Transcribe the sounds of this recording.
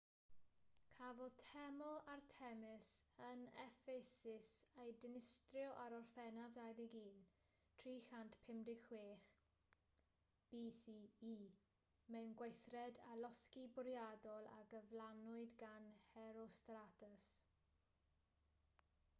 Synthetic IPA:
kʰavɔðtʰɛmɔlˠartʰɛmɪsənɛfesɪsejdɪnɪstrjɔʔaɾɔrfɛnavdajðiɡiːn | tʰriːxantpʰɪmdɪɡxweːχ | b̥isiːiː | mɛwnɡwejθrɛdalɔskibʊɾjadɔlˠa̰ɡəvlanʊɨdɡanhɛɾɔstratʰəs

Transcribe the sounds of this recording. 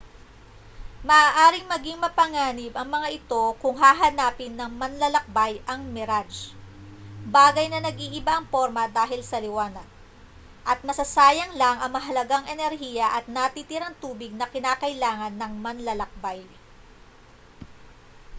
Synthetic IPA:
mɐʔaːʔaːɾɪŋmɐɡiŋmɐpɐŋaːnɪbɐŋmɐŋaʔɪt̪o̞kʊŋɦaːɦɐnaːpɪnːɐŋmɐnlɐlɐk̚bajʔɐŋmɛɾad͡ʒ | baːɡɐjnɐnɐɡʔiːʔɪbaʔɐŋpo̞ɾmɐd̪aːɦɪlsɐlɪwaːnɐd̪̚ | ʔɐt̪̚mɐsɐsaːjɐŋlaŋɐŋmɐɦɐlɐɡaŋʔɛnɛɾɦiːjɐʔɐt̪̚nɐt̪it̪ɪɾɐŋt̪uːbɪɡ̚nɐkɪnaːkɐʔɪlaːŋɐnːɐŋmɐnlɐlɐk̚baj

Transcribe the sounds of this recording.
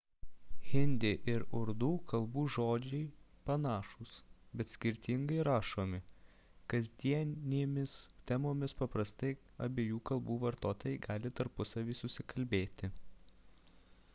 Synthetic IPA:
ɣʲɪnʲd̪ʲeʔɪɾʊɾd̪uːkɐlˠbuːʒoːd͡ʒʲɛɪpɐnɑːʃuːsbʲɛt̪sʲkʲɪɾʲt̪ʲɪŋɡɐɪɾɑːʃoːmʲɪ | kɐzʲd̪ʲiɛnʲeːmʲɪst̪ʲɛmoːmʲɪspɐpɾɐst̪ɐɪ | ɐ̰bʲeːjuːkɐlˠbuːʋɐɾt̪oːt̪ojɛɪɡɑːlʲɪt̪ɐɾpʊsɐʋʲiːsʊsʲɪkɐlʲbʲeːt̪ʲɪ

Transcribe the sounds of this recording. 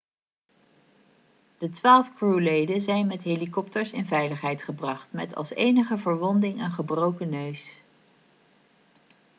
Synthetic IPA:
d̥ətʋaːlˠfkruːlejdənzɛjnmɛtɦejlikɔp̚təɹsɪnvɛjləχɦɛjtχəbrɑχtmɛ̰tɑ̰lˠsḛjnəχəvəɹʋɔndɪŋənχəbrowkənøɥs

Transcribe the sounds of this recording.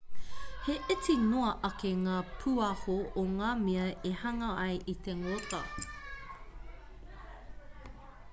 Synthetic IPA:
heʔɪt͡sinoɐʔɐkeŋaːpʰuɐhooŋaːmiɐehɐŋɐɐjʔit̪eŋotɐ

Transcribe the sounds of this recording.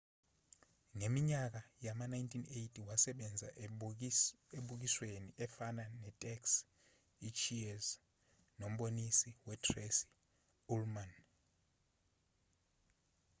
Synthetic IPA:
ŋemiɲak̬ajamanaintʰinejtʰiwasɛɓɛnd͡zʱa̰ | eɓuk̬isweniʔɛfananɛtʼɛks | it͡ʃʰiɛs | nom̩ɓonisiwɛtʰresi̥ | ulman

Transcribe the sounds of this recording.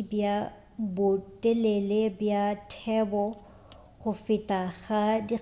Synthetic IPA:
bja | bʊtʼelelebjatʰɛːbɔ | χʊfɪtʼaɣadi

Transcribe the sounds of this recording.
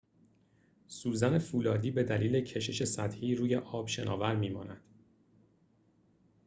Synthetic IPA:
suːzæne̞fuːlɒːd̪iːbe̞d̪æliːle̞cʰeʃe̞ʃe̞sæt̪hiːɾuːje̞ʔɒːb̥ʃe̞nʔɒ̰ːvæɾmiːmɒ̰ːnæd̪̥

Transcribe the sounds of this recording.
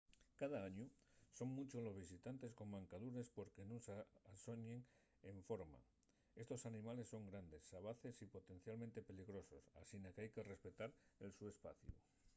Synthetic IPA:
kað̞aaɲuso̞ŋmut͡ʃozlo̞zβisit̪ant̪e̞sko̞mmãŋkaðuɾe̞spo̞ɾkenũŋsaasoɲeŋ | eɱfo̞ɾma̰ | e̞st̪o̞sanĩmale̞sːo̞ŋɡɾand̪e̞sːaβ̞aθe̞sipo̞t̪e̞n̟θjalmẽnt̪e̞pe̞liɣɾo̞so̞sa̰sinakeajke̞re̞spe̞t̪aɾelsue̞spa̰θjṵ

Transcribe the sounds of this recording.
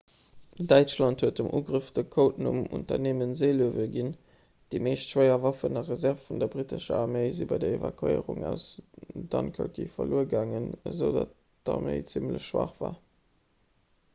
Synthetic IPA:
dæɪt͡ʃlɑnthuətəmʔuːɡʁəfd̥əkʰoʊtnumṵntɐ̰neːmənzeɪluəvəɡin | d̥eːmeːʃtʃwɜɪɐvɑfənɐʁəzæʁfːundɐbʁitəʃəaʁmeɪzibɑɪdɐeva̰kʰḛɪʁuŋæʊsd̥ɑnkʰœkḭfɐluːəɡaːŋənəzəʊdɑt | d̥ɑ̰ʁmḛɪt͡simlə̰ɕʃwɑ̰χv̥aː

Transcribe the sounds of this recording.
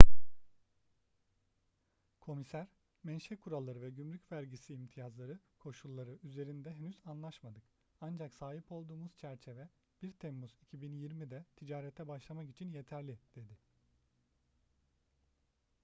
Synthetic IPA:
kʰo̞misæɾ̥ | mɛnʃɛkʰuɾalˠːaɾɯvɛɟymlʲycʲvæɾɟisiːmt̪ʰijazlˠaɾɯkʰo̞ʃulˠːaɾɯyze̞ɾind̪ɛɦenyzanlˠaʃmad̪ɯk | and͡ʒaksaːɦipo̞lˠd̪uːmuz̥t͡ʃʰæɾt͡ʃʰe̞vɛ | b̥iɾt̪ʰɛmːuzicʰibinjiɾmid̪ɛt̪ʰid͡ʒaːɾɛt̪ʰɛbaʃlˠamaki̥t͡ʃʰinje̞t̪ʰæɾlʲid̪̥e̞d̪ɪ

